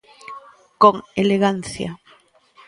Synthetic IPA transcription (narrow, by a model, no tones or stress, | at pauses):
koŋeleɣan̟θja̰